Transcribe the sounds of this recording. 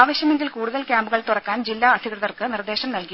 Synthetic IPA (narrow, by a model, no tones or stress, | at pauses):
ʋɐɕjɐme̞ŋɡilkuːɽuðɐlkʲjaːmbɨɣɐɭt̪urɐkːaːnd͡ʑilːaːɐd̪ʱikrɐðɐrkɨnird̪e̞ːɕɐmnɐlki